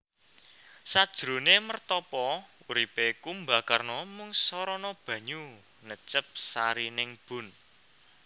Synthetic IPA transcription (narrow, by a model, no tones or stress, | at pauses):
sad̥ʒ̥ɾo̤nemərt̪ɔpɔuɾipekumbakarnɔmʊŋsɔɾɔnɔb̥ä̤ɲu | nət͡ʃəp̚saɾinɪŋb̥ʊ̤n